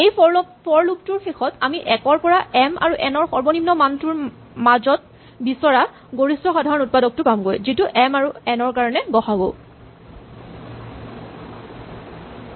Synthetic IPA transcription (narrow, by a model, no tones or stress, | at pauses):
ejpɔɹluk̚tuɹxexɔtamiʔɛkɔɹpɔɹaɛma̰ɹuʔɛnɔɹxɔɹbɔnimnɔmantʊɹ | mazɔt̚ | bisɔɹa | ɡoɹistɔxadʱaɹɔnut̚padɔk̚tʊkamɡojzituʔɛmaɹuɛnɔɹkaɹɔnɛɡɔxaɡo̰